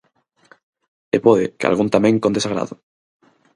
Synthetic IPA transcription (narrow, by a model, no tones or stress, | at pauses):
epɔðɪkɪa̰lɣunt̪amẽŋkond̪esaɣɾa̰ðʊ